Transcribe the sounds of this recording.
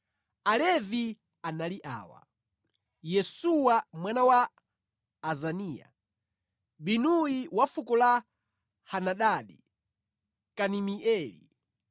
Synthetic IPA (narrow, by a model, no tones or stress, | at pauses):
alɛvi | analiʔa̰ːwa̰ | jɛsuwamwanawaː | zaniːja̰ | binujiwafukɔla | hanaɗaːɗi | kanimiɛːlḭ